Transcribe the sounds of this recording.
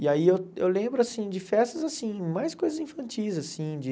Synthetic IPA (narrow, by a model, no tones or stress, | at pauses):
iaiewḛwlẽbɾʊasĩd͡ʒɪfɛst̪ɐzasĩmajskojzɐzĩfɐ̃nt͡ʃijzasĩd͡ʒɪ